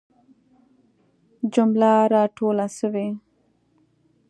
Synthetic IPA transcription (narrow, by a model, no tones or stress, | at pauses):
d͡ʒʊmlaɾɑʈolasəwe